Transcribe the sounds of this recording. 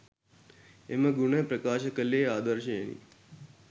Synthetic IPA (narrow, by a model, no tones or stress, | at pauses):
emɐɡuɳəjpɾəkaːʃɐkəlːeːaːd̪əɾʃəjḛnḭ